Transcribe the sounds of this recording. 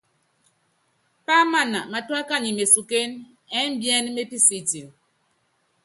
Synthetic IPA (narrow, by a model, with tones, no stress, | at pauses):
pa˦ma˦˨na˨ma˨twa˦ka˦˨ɲi˨me˨su˨ke˦n | ɛ˦m˦bjɛ˦nme˦pi˦si˨ti˨l